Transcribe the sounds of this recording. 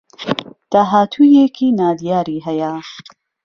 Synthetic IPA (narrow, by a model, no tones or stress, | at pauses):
d̪̥aɦaːt̪ʰujekʰinaːd̪ijaːɾiɦɐja